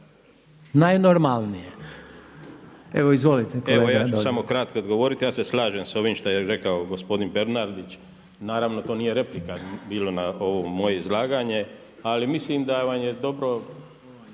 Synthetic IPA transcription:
najnoɾmalˠnije | eʋoizʋolit̪eeojaːt͡ʃusamo̞kɾat̪koːd̪ɡo̞ʋo̞ɾit̪ijaːseslˠaːʒemso̞ʋimʃt̪ajeɾe̞kaoɡo̞spo̞d̪inbe̞ɾnaɾd̪it͡ʃ | naːɾaʋnot̪o̞ːniːjeɾe̞plikabiːlonao̞ʋomo̞je̞izlˠaːɡaɲe̞ | alimislimd̪aʋanjed̪o̞bɾo̞

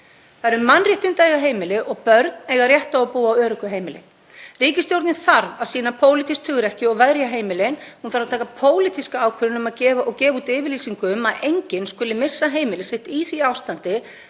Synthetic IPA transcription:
θaðɾmanrjɛht̪ɪnt̪aːjɣaɦeːjmɪlɪʔɔɣpœɾt̪nɛɣarjɛht̪aɔpuːaːwœːɾʏkʏɦeːjmɪlɪ̰ | riːcɪst̪jowɾt̪nɪθaɾvaðsiːnapʰoːwlit̪ʰist̪ʰʏɣɾɛhcɪɔɣvɛðɾjaɦeːjmɪlɪnhunfaɾat̪ʰaːkapʰoːwlɪt̪ʰiskaaːwkʰʏɾɪnʏmaðcɛːvaʔɔɣcɛːvaut̪ɪːvɪɾliːsiŋkʏmaðejɲcɪnskʏːlːɪmɪsːaɦeːjmɪlɪsɪht̪iθviaːwst̪ant̪ɪ

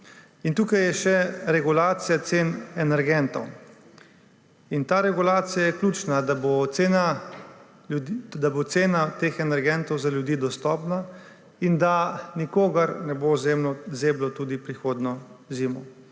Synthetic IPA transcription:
int̪uːkajɛʃɛɾɛɡulaːt̪sijat̪seːnɛnɛɾɡɛnt̪ɔw | int̪aːɾɛɡulaːt̪sijajɛklʲuːt͡ʃnad̪aboena | ud̪abot̪seːnat̪eːxɛnɛɾɡɛnt̪ɔwzaljud̪iːd̪ɔst̪ɔːpna | ind̪anikoːɡɐɾnɛbozeːmlɔzeːblɔt̪uːd̪ipɾixoːd̪nɔziːmɔ

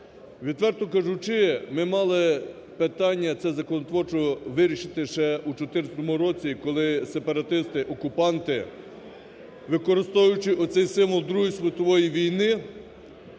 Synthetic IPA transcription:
ʋʲit̪ʋɛrt̪ɔkɐʒut͡ʃɪmɪmɑlˠɪ | pɪt̪ɑnʲːɐt̪sɛzɐkɔnɔt̪ʋɔrt͡ʃɔʋɪɾʲiʃɪt̪ɪʃɛut͡ʃɔt̪ɪɾt͡sʲsʲɐt̪ɔmʊɾɔt͡sʲikɔlˠɪsepɐɾɐt̪ɪst̪ɪʔɔkʊpɑnt̪ɪ | ʋɪkɔɾɪst̪ɔʋjʊt͡ʃɪʔɔt̪sɛjsɪmʋɔlˠd̪ɾuɦisʋʲɪt̪ɔʋɔjiʋʲijnɪ

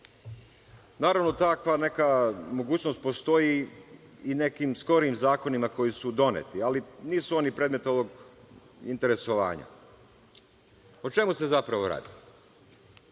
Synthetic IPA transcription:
naːɾaʋno̞t̪akʋane̞kamo̞ɡuːt͡ɕno̞st̪po̞st̪o̞ji | ine̞kimsko̞ɾimzaːko̞nimako̞jisud̪o̞nḛt̪ialiniːsuo̞nipɾeːd̪me̞t̪o̞ʋo̞ɡ | ḭnt̪e̞ɾe̞so̞ʋa̰ːɲa̰ | ot͡ʃe̞muse̞zapɾaʋo̞ɾa̰ːd̪i

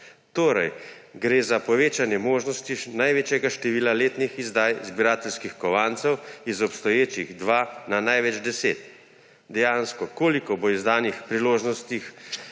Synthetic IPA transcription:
t̪oːɾɐ̰jɡɾeːzapɔʋeːt͡ʃanjɛmoːʒnɔst̪inajʋeːt͡ʃjɛɡaʃt̪ɛʋiːlaleːt̪nixizd̪ajzbiɾaːt̪ɛlskixkɔʋaːnt̪sɛwizɔpst̪ɔjeːt͡ʃiɣd̪ʋaːnanajʋɛd͡ʒd̪ɛsḛːt̪̚ | d̪ɛjaːnskɔkoːlikɔboizd̪aːnixpɾiloːʒnɔst̪ix

